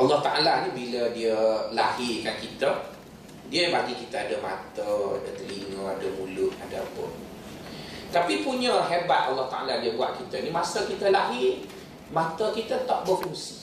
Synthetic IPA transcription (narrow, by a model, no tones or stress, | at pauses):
ʔalːɔht̪aʔalanibilədiəla̰hikankit̪ə | diəbad͡ʒikit̪əadəma̰t̪əa̰dət̪əɾiməadəmulʊhada̰pʊ̰n | t̪apipuɲəɦebat̪alːɔht̪aʔaladiəbuaʔ̪̚kit̪əinimasəlkit̪əlaɦi | mãt̪əkit̪ət̪ɔʔ̚bəfuŋsi̥